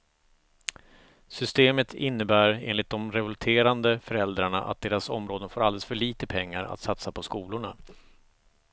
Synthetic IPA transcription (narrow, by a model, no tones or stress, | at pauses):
sʏst̪eːmət̪ʰɪnːəbæːɾḛːnlɪt̪̚d̪ɔmɾɛvɔlt̪ʰeːɾand̪əfœɾɛld̪ɾaɳaʔa̰t̪̚d̪eːɾasɔ̰mɾoːd̪ənfoːɾalɛləsfœɭiːt̪əpʰɛŋːaɾa̰t̪sat̪sapʰɔskuːlʊɳa